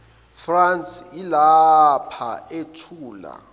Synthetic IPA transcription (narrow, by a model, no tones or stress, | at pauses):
fransilapʰa̰etʰuːla̰